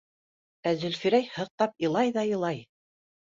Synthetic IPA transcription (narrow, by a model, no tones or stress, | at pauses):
æzɘ̆lfiɾæjhɤ̆q̚t̪ɑpɤ̆lˠɑjðɑjɤ̆lˠɑj